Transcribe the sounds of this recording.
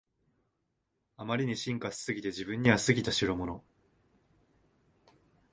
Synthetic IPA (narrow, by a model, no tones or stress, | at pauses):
amaɾʲiɲ̟iɕĩŋkasɨ̥sɨɡʲit̪e̞ʑibɯ̟̃ɲ̟ːiβasɨɡʲit̪aɕiɾɯmo̞no̞